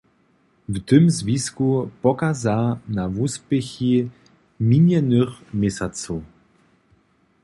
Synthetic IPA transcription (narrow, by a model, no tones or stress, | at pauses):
vt̪ʏmzviskupɔkazanavuspɛxi | miɲɛnʏxmjɛsʲat͡sɔ